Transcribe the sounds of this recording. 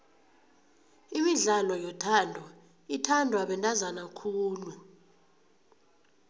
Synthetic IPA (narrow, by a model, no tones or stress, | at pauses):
imiɮalɔjɔtʰaːndʱwa | itʰandʱwaɓɛntʼazanakʰuːlu